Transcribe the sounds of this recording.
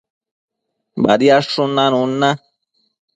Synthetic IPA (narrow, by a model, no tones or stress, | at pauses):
ba̰d̪iaʂunːanunːa